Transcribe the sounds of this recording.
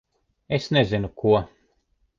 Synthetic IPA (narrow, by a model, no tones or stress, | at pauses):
esnezinukuɔ